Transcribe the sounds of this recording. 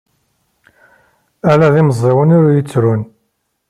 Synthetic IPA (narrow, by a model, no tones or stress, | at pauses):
ælæðiməzˤːewənʊɾujət͡sːɾun